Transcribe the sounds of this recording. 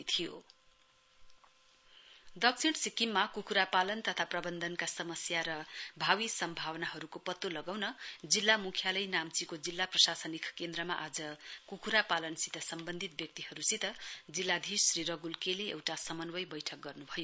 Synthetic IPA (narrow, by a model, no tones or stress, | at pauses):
t̪ʰijo | d̪ʌksʰiɽsikimːakukʰuɾapalʌnt̪ʌt̪ʰaprʌbʌnd̪ʱʌnkasʌmʌsjaɾʌbʱawisʌmbʱawʌnaɦʌɾukopʌt̪ːolʌɡawnʌd͡zilːamukʰjalʌjnamt͡sikod͡zilːaprʌsasʌnikʰkend̪rʌmaʔad͡zʌkukʰuɾapalʌnsit̪ʌsʌmbʌnd̪ʱit̪̚bjʌk̚t̪iɦhʌɾusit̪ʌd͡zilːad̪ʱissriɾʌɡulkeleḛwʈasʌmʌnwʌjbʌjʈʰʌk̚ɡʌrnubʱʌjo